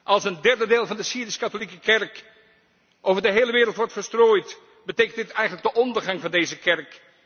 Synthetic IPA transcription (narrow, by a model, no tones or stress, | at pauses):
ʔɑlˠsəndɛɹdədeːlˠvɑndəsiːdɪskɑtolikəkɛɹk | ʔowvəɹdəɦejləʋɪːɾəlˠtʋɔɹtfəɹstroːjt | bəteːkəntdɪtɛjχənləɡ̚dəʔɔndəɹχɑŋvɑndejzəkɛɹk